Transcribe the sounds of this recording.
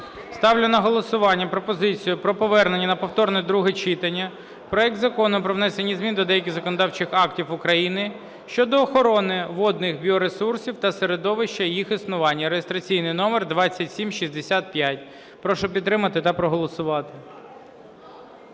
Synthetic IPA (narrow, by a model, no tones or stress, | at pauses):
st̪ɑwlʲʊnɐɦɔlˠɔsʊʋɑnʲːɐpɾɔpɔzɪt͡sʲijʊpɾɔpɔʋɛrnenʲːɐnɐpɔwt̪ɔrnɛd̪ɾuɦɛt͡ʃit̪ɐnʲːɐ | pɾɔɛk̚d̪zɐkɔnʊpɾɔʋnɛsenʲːizmʲind̪ɔd̪ɛjɐkʲɪzɐkɔnɔd̪ɑwt͡ʃɪxɑktʲiwʊkɾɐjinɪ | ʃt͡ʃɔd̪ɔːxɔɾɔnɪʋɔd̪nɪxbʲiɔɾesursʲiwt̪ɐseɾed̪ɔʋɪʃt͡ʃɐjixisnʊʋɑnʲːɐɾejest̪ɾɐt͡sʲijnɪjnɔmɛrd̪ʋɑt͡sʲːɐtʲsʲimʃizʲd̪esʲat̪̚pʲjatʲ | pɾɔʃɔpʲid̪ːɾɪmɐt̪ɪt̪ɐpɾɔɦɔlˠɔsʊʋɑt̪ɪ̥